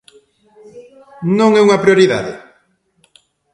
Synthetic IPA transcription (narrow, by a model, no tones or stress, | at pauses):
nõŋɛuŋɐpɾjoɾiða̰ðɪ̰